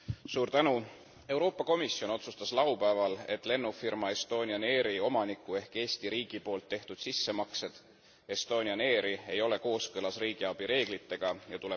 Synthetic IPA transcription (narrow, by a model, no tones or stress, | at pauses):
suːɾt̪ænu | e̞uwɾo̞ːpːˑɑko̞misːio̞no̞t̪sust̪ɑslɑwpæevɑle̞t̪ːˑle̞nːufirmɑe̞st̪o̞ːniɑne̞ːɾio̞mɑnikˑːue̞hke̞ːsʲt̪iɾiːɡ̥ipo̞ːlt̪ːe̞ht̪ud̪̥sisːe̞mɑkse̞d̪̥ | e̞st̪o̞ːniɑne̞ːɾie̞jo̞le̞ko̞ːskɤlɑsriːɡ̥iɑb̥iɾe̞ːɡ̥lit̪ːe̞ɡ̥ɑjɑt̪ule